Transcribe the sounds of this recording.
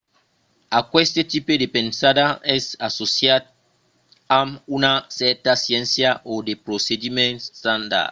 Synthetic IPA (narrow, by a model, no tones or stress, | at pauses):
akwest̪et̪ipedepẽnsadaɛsasosjat̪̚ | amunasɛɾt̪asjɛ̃nsjaʔod̪epɾosed̪imẽnt̪and̪a̰t